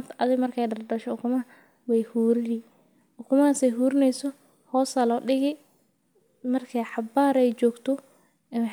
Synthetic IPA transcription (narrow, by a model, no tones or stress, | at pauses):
t̪ɐðɪɣmɐrkʰɛjɖɐrɖɐʃɔʊkʰʊmɐɐ | wɛjhuːɾɪjɪ | ʔʊkʰʊmɐasɛjɦuːɾɪnɛjsɔ | hɔːsɐlɔːɖɪɣɪ | mɐrkʰɛjħɑbaːɾɛjt͡ʃɔːɡt̪ʰɔ | ɪnħ